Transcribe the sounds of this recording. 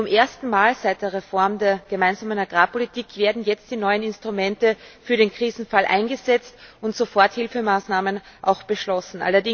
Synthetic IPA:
t͡sʊmʔeːɐstn̩maːlzaɪt̚d̥eːɐʁefɔɐmdeːɐɡ̥əmaɪnzaːmənaɡ̥ʁaːpʰolitʰiːkv̥eːɐdn̩jɛt͡st̚d̥iːnɔʏənɪnstʁ̥ʊmɛntəfyːɐɾeːnkʁ̥iːzn̩falʔa̰ɪnɡəzɛt͡stʊntz̥ofɔɐthɪlfəmaːsnaːmən | ʔa̰ʊxb̥əʃlɔsn̩ʔa̰lɐdɪ

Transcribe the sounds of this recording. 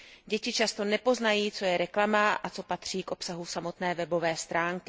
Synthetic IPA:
ɟɛcɪt͡ʃast̪o̞nɛpo̞znajiːt͡so̞jɛɾɛklamaʔat͡so̞pat̪r̝̥iːkʔo̞psaɦusamo̞t̪nɛːvɛbo̞vɛːst̪ɾaːŋkɪ

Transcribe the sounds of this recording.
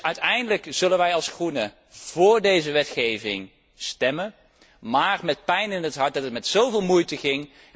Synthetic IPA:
œɥtɛjndələkz̥ɵlənʋɛjɑlˠsχrunə | v̥ʊːɹdejzəʋɛtχejvɪ̰ŋ | stɛmən | maːrmɛt̚pɛjnɪnɦətɦɑɹt̚d̚ɑtətmɛtsowvɪːlˠmujtəχɪŋ

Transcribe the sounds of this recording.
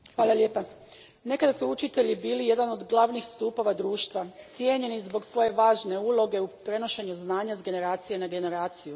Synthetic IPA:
xʋaːlˠalje̞ːpa | ne̞kad̪asuut͡ʃit̪e̞ʎibiːlije̞d̪ano̞d̪ɡlˠaʋnixst̪uːpo̞ʋad̪ɾuːʃt̪ʋat̪sje̞ɲe̞nizbo̞ɡsʋo̞je̞ʋaːʒne̞uːlˠo̞ɡe̞upɾe̞no̞ʃe̞ɲuznaːɲazɡe̞ne̞ɾaːt̪sije̞naɡe̞ne̞ɾaːt̪siju

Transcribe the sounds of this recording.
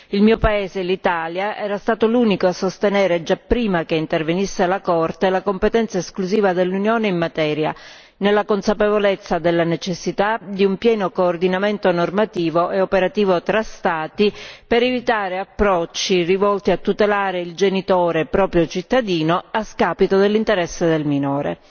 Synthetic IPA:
ilmiːopaeːzelit̪aljaʔɛːɾast̪aːt̪oluːnikoasːost̪enɛːɾed͡ʒapːɾiːmakeint̪ervenisːelakɔrt̪elakompet̪ɛnt̪saeskluziːvad̪elːunjoːneimːat̪ɛːɾja̰ | nelːakonsapevolet̪sːad̪elːanet͡ʃesːit̪ad̪iumpjɛːnokoːrd̪inament̪onormat̪iːvoʔeopeɾat̪iːvot̪ɾast̪aːt̪ipeɾevit̪aːɾeapːɾɔt͡ʃːirivɔlt̪iat̪ːut̪elaːɾeild͡ʒenit̪oːɾepɾɔːpɾjot͡ʃit̪ːad̪iːnoaskaːpit̪od̪elːint̪eɾɛsːed̪elminoːɾḛ

